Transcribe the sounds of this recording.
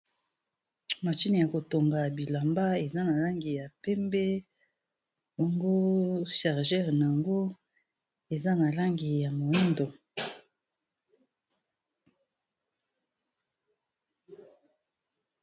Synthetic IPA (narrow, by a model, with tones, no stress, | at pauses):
ma˨t͡ʃi˦ni˨ja˨ko˨to˨ŋɡa˨bi˨la˨mba˦e˨za˦na˨la˦ŋɡi˨ja˨pɛ˦mbɛ˦ | bo˨ŋɡo˦ʃa˨ʁʒɛ˦ʁna˨a˨ŋɡo˦ | e˨za˦na˨la˦ŋɡi˨ja˨mo˨i˦ndo˨